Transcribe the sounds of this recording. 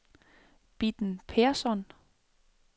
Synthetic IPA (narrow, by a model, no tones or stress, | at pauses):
b̥id̥n̩pʰeɐsɒn